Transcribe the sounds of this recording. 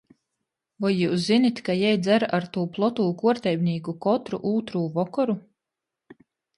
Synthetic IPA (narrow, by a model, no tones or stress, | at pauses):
vɔjːuːs̬zinit̪ʲkajɛjd̪zæɾaɾt̪uːplˠɔt̪uːkuɔɾt̪ʲɛjbʲniːɡukɔt̪ɾuʔuːt̪ɾuːvɔkɔɾu